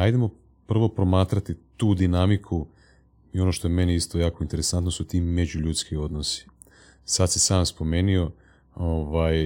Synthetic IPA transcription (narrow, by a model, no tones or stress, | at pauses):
ajd̪emo̞ | pr̩ʋo̞pɾo̞maːt̪ɾat̪it̪uːd̪inamikʰu | io̞noʃt̪o̞jeme̞neist̪o̞jaːko̞int̪e̞ɾe̞sant̪nosut̪iːme̞d͡ʑuʎuːt̪skio̞d̪nosi̥ | sad̪sisaːmspo̞me̞ːnio̞ | oʋaːj